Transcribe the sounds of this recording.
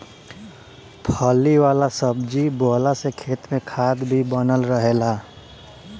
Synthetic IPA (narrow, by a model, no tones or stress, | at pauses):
pʰɔːliwaːlasəb̚d͡ʒibɔːlasekʰeːt̪mẽkʰaːd̪bʱibənəlɾəɦelaː